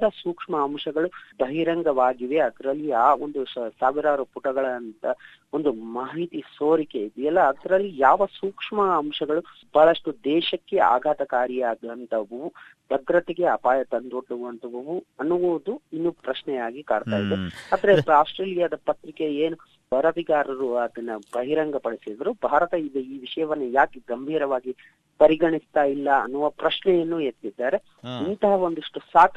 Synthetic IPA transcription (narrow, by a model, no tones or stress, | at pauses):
d̪ɐsuːkʂmɐːmʂɐɡɐɭubʱɐɦiɾɐŋɡɐʋaːɡiʋeɐd̪ɐɾɐlːijaːond̪usaːʋiɾaːɾupuʈɐɡɐɭɐnt̪ɐ | o̞nd̪umaːɦit̪isoːɾikeid̪ijɛlːɐːd̪ɐɾɐlːijaːʋɐsuːkʂmɐːmʂɐɡɐɭu | b̥ʱaːɭɐʂʈud̪ɛːʃɐkːe̞a̰ːɡʱaːt̪ɐkaːɾijaːɡɐnt̪ʰɐʋɐubʱɐd̪ɾɐt̪eɡe̞ɐpaːjɐt̪ɐnd̪oɽːuʋɐnt̪ɐʋɐʋuɐnuʋuːd̪uinːupɾɐʃnɛjaːɡikaːɖt̪aːjid̪ːeaːd̪ɐɾepaːsʈɾeːlijaːd̪ɐpɐt̪ɾikeeːnu | bɐɾɐtiɡaːɾɐɾuɐd̪ɐnːɐbɐɦiɾɐŋɡɐpɐɽisid̪ɐɾubʱaːɾɐt̪ɐid̪eiːʋiʂɐjɐʋɐnːujaːkeɡɐmbʱiːɾɐʋaːɡi | pɐɾiɡɐɳist̪aːjilːɐɐ̰nːuʋɐpɾɐʃnɛjɐnːujet̪ːid̪ːaːɾe | int̪ɐɦɐo̞nd̪uʂʈusaːk̪